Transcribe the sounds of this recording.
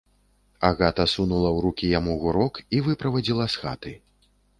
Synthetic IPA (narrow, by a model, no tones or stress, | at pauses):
aɣat̪ɐsunulˠɐwɾukʲijamuɣuɾɔkivɨpɾɐvad͡zʲilˠɐsxa̰t̪ɨ